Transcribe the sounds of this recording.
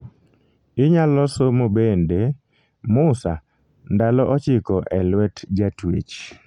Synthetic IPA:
ɪɲalɔsomobende | mʊsa | ndalɔʔɔt͡ʃɪkɔʔɛlwɛtd͡ʒatwḛt͡ʃ

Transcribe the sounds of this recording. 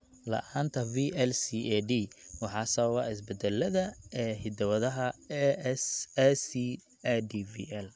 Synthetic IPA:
lɐ̰ʔaːnt̪ʰɐviːʔɛlsiʔɛɖiːwɑħɑːsɔːwɐɪs̬bɛd̪ɛlːɐðɐɛːhɪd̪ɐwɐðɐɦɐ | sɛsi | ɛɖivḭːʔɛl

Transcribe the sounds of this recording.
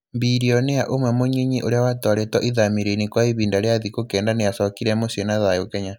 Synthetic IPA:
mbiɾiɔneaʔomwɛmoɲeɲiʔoɾeawatwaɾetwɔʔiðamiɾenikwaiβiːndaɾeaðikokɛːndanejasɔkiɾɛmosiɔnaðajokɛɲa

